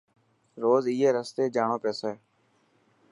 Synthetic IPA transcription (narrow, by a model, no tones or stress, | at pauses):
ɾoːzijeːɾəst̪eːd͡ʒaːɳõːpɛːseː